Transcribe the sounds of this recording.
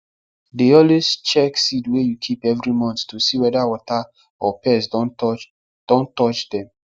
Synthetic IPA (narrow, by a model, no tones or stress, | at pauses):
deɔlwest͡ʃɛksidwejukʰipɛvɹimɔ̃nttosiwɛdawɔta | ɔpɛs | d̥ɔ̃ntɔt͡ʃdɛ̃m